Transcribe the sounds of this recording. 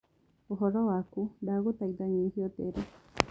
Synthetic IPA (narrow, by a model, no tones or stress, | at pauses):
oɦɔðɔwakudaɣotaiðaɲiːhiɔteɾe